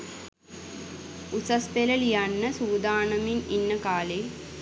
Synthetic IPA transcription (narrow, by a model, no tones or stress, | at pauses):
usɐspelɐlijanːɐsuːd̪aːɳɐmininːɐkaːleː